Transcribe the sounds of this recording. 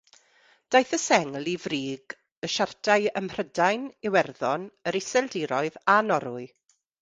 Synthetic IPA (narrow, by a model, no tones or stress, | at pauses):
d̥ajθəsɛŋlivriːɡ | əʃartʰaɨəmr̥ədajnɪwɛrðɔnəɾɪsɛlˠdɪːɾɔɨðanɔɾʊɨ